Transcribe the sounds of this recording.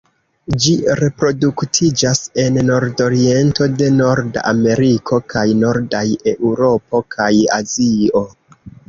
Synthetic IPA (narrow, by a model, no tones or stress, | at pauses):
d͡ʒiɾe̞pɾo̞duktʰid͡ʒase̞nːo̞ɾdo̞ɾie̞nto̞de̞no̞ɾdaa̰me̞ɾikʰo̞kʰajno̞ɾdaje̞ʔuɾo̞po̞kʰaja̰zio̞